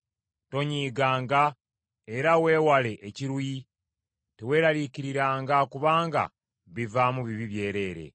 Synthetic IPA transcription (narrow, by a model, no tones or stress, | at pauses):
to̞ɲiːɡaːŋɡa | e̞ɾawe̞ːwale̞ʔeciɾuji | tewe̞ːɾaliciɾiɾaːŋɡakuβaːŋɡa̰ | βivamuβiβiβje̞ːɾe̞ːɾe̞̰